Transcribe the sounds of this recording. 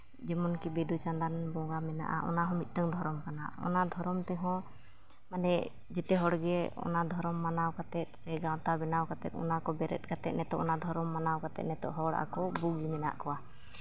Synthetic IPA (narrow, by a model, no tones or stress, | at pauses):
d͡ʒɛmɔnkibɛd̪ut͡ʃand̪anbɔɡamɛna̰ʔa̰ʔɔ̰naɦɔ̃mit̪̚ˀʈəŋd̪ʱɔɾɔmkana̰ɔ̰nad̪ʱɔɾɔmt̪ɛɦɔ̃ | manɛ | d͡ʒɛt̪ɛɦɔɽɡɛɔ̰nad̪ʱɔɾɔmːanawkat̪ɛt̪̚ˀsɛɡawt̪abɛnawkat̪ɛt̪̚ɔ̰nakɔbɛɾɛ̰t̪̚kat̪ɛt̪̚nɛt̪ɔʔɔnad̪ʱɔɾɔmːanawkat̪ɛ̰t̪̚nɛt̪ɔ̰ʔɦɔɽaʔa̰kɔbuɡd͡ʒimɛna̰ʔkɔwa